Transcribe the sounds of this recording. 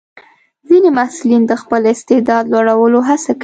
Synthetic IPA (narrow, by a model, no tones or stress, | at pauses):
zinemasulind̪əxpəlɪst̪ɪd̪ɑd̪lwaɽawəloɦasak